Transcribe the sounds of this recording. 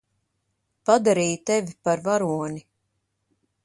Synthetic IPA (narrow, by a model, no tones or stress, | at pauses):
pad̪aɾiːjt̪ɛvʲipaɾvaɾuɔni